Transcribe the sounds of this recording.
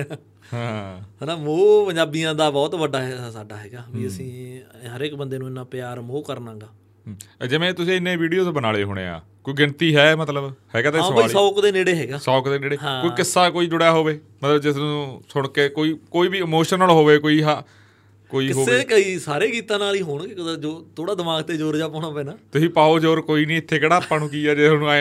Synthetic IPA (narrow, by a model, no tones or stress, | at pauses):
ɦãːɦənãːmoːpəɲd͡ʒaːbijãːd̪aːbɔːt̪ʋəɖaːɦɛsaːɖaːɦɛːɡaːʋiːəsĩːɦəɾekbənd̪eːnũːɪnːãːpɪjaːɾmoːkəɾnãːɡaː | ɦd͡ʒɪʋẽːt̪ʊs̬ĩːɪnːẽːʋiːɖijoːt̪bənaːleːɦo̰ːɽ̃ḛːa̰ːkoːiːɡɪnt̪iːɦɛːmət̪ləbhɛːɡaːt̪asəːliɔːkd̪eːneːɽeːɦɛːɡaːsɔːkd̪eːneːɽeːɦãoːikɪsːaːkoːiːd͡ʒʊɽjaːɦoːʋeː | mət̪ləbd͡ʒɪsnũːsʊɽkeːkoːiːkoːiːbiːɪmoːʃənəlɦoːʋeːkoːiːɦa | koːiːɪɦoːeːkəiːsaːɾeːkiːt̪ãːnaːliːɦoːɳked͡ʒoːt̪ʰoːɽaːd̪ɪmaːɡt̪eːd͡ʒoːɾd͡ʒaːpoːnabeːnaːt̪ʊsĩːpaːoːd͡ʒoːɾkoːiːnĩːɪt̪ʰːeːkəɽaːpaːnũːkiːaːd͡ʒeːsnũːaːe